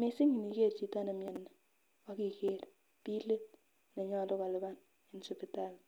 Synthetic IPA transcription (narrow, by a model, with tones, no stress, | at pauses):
me˨sɪ˦ŋi˨ni˨ke˦˨ɾt͡ʃi˨ta˦ne˨mje˨nːa˨ | wa˦ki˨ke˦˨ɾ | pi˦le˦t̚ | ne˨ɲɔ˦˨lo˦ka˨lɪ˨˦ba˦n | e˨n˦so˨pi˨ta˦˨l